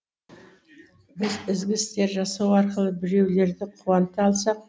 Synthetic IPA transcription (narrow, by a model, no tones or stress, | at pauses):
bɪzɪzɡʲɪst̪e̞ɾʒɑsɑwɑɾqəlˠəbɪɾe̞wle̞ɾd̪ɪqʰuɑnt̪əɑlˠsɑq̚